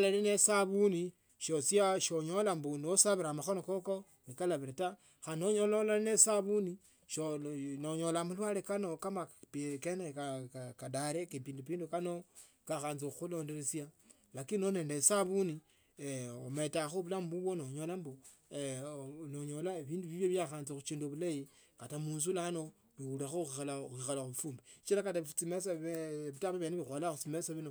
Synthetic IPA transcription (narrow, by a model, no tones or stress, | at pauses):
olelinesaβuni | ʃosiaʃoɲo̞lambunosaβiɾamaxo̞nokoko | nikalaβiɾata | xanoɲololanesaβuni | ʃonoɲo̞lamulwalekano̞kamapkenekakadaɾekepiːndupiːndukano | kaxaːnzixuloːndeɾet͡sja | lakinone̞ːndesaβuni | ometaxuβulambuβonoɲolambo | noɲolaiβiːnduβiβjoβjaxaːnzixut͡ʃiːnduβulaji | katamuːns̬ulano̞ | βiulaxoxialaxixalaxuβufuːmbet͡ʃilakatat͡simesβitaβaβjaniβixwalaxut͡simesoβino